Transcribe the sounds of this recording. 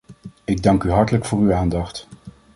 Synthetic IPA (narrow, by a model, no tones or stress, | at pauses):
ɪɡ̚dɑŋkyɦɑɹtələkfʊːryaːndɑχt